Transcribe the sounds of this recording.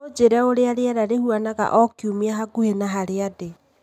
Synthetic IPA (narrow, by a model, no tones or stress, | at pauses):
od͡ʒeɾɛoɾeaɾeaɾaɾehuanaɣa̰ʔɔkiumiaɦaɡuhenaɦaɾeade